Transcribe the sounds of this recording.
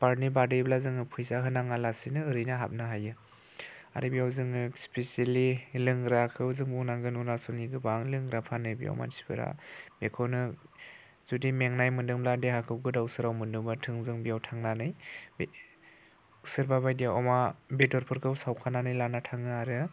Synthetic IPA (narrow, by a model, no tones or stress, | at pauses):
paɾnibadɯjblazɯŋɯpʰɯjsaɦɯnaŋalasinɯɯɾɯjnaɦa̰p̚naɦajɯ | a̰ɾɯbijawzɯŋɯspeselilɯŋɡɾakʰɯwzɯŋbuŋnaŋɡɯnunasɔlniɡɯbaŋlɯŋɡɾapʰanɯbḭɔ̰wma̰dispɯɾa̰bekʰɔnɯ | zudimeŋnajmɯndɯŋmbladehakʰɯwɡɯdawsɯɾawmɯndɯŋbatʰɯŋzɯŋbijawtʰaŋnanɯjb | sɯɾbabajdiɔmabetɔɾpʰɯɾkʰɯwsawkʰananɯjlanatʰaŋɯaɾɯ